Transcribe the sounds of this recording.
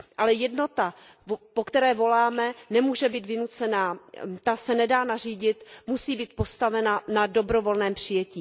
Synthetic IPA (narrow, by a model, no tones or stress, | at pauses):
ʔalɛjɛdno̞t̪a | pokt̪ɛɾɛːvo̞laːmɛnɛmuːʒɛbiːt̪vɪnut͡sɛnaːt̪asɛnɛdaːnar̝iːɟɪt̪musiːbiːt̪̚po̞st̪avɛnanado̞bɾo̞vo̞lnɛːmpr̥ɪjɛciː